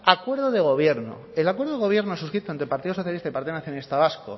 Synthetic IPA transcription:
akwe̞ɾð̞oðe̞ɣ̞o̞β̞je̞ɾno̰ | elakwe̞ɾðoðe̞ɣo̞βje̞ɾnosuskɾit̪oent̪ɾe̞paɾt̪iðoso̞θjalist̪aipaɾt̪iðonaθjonalist̪aβasko̰

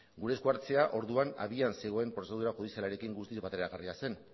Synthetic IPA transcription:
ɡuɾe̞skuaɾt͡se̞aʔo̞ɾðuana̰βianse̞ɣ̞o̞e̞mpɾo̞se̞ð̞uɾaʝuð̞isialaɾe̞kiŋɡust̪izbat̪e̞ɾɾaɣariase̞n

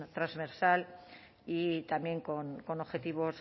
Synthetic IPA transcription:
t̪ɾazβeɾsal | it̪amje̞ŋkonko̞no̞βxe̞t̪iβo̞s

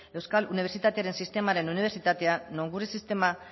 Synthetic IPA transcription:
e̞wskaluniβsit̪at̪e̞aɾe̞nsist̪e̞maɾe̞nuniβe̞ɾsit̪at̪e̞anoŋɡurisist̪e̞ma

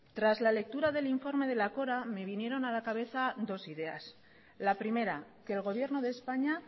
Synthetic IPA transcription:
t̪ɾazlale̞k̚t̪uɾaðe̞liɱfo̞ɾme̞ð̞e̞lako̞ɾame̞β̞inje̞ɾo̞nalakaβ̞e̞θad̪o̞siðe̞a̰s | lapɾime̞ɾake̞ːlɣ̞o̞β̞je̞ɾno̞ðe̞ːspaɲa

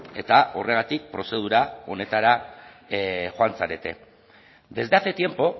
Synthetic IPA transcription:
e̞t̪ao̞re̞ɣ̞at̪ik̚pɾo̞se̞ð̞uɾao̞̰ne̞t̪aɾa | xoant͡saɾe̞t̪e̞̰ | d̪e̞zdeaθet̪je̞mpo̞

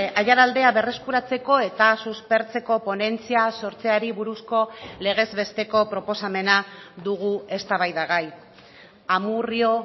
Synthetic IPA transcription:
aʝaɾald̪e̞aβe̞re̞skuɾat͡se̞ko̞e̞t̪asuspe̞ɾt͡se̞ko̞po̞ne̞nt͡siaso̞ɾt͡se̞aɾiβuɾusko̞le̞ɣ̞e̞zβe̞st̪e̞ko̞pɾo̞po̞same̞naðuɣ̞ue̞st̪aβajðaɣaj | amurio̞

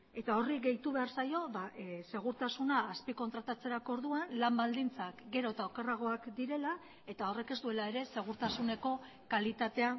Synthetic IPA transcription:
e̞t̪ao̞riɡe̞jt̪uβe̞aɾsajo̞βase̞ɣ̞uɾt̪asunaːspiko̞nt̪ɾat̪at͡se̞ɾako̞ɾðuanlambald̪int͡sakɡe̞ɾo̞t̪aokeraɣ̞o̞akd̪iɾe̞la | e̞t̪ao̞re̞ke̞szd̪ue̞lae̞ɾe̞se̞ɣ̞uɾt̪asune̞ko̞ | kalit̪at̪e̞a

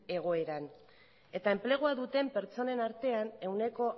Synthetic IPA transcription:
e̞ɣ̞o̞e̞ɾan | e̞t̪aemple̞ɣ̞uaðut̪e̞mpe̞ɾt͡so̞ne̞naɾt̪e̞ane̞wne̞ko̞

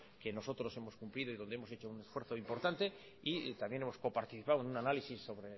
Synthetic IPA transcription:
ke̞no̞so̞t̪ɾo̞se̞mo̞skumpliðoiðo̞nd̪eemose̞t͡ʃo̞une̞sfweɾθo̞impo̞ɾt̪ant̪e̞ | it̪amje̞nemo̞sko̞paɾt̪iθipawenunanalisisːo̞βɾe

